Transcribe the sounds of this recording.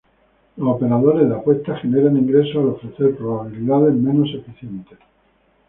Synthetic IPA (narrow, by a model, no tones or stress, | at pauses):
losope̞ɾaðo̞ɾe̞zðakwet̪axe̞neɾanĩŋɡɾe̞soalo̞fɾe̞θe̞ɾpɾo̞βaβ̞iliðaðe̞mẽ̞nosefiθje̞nt̪e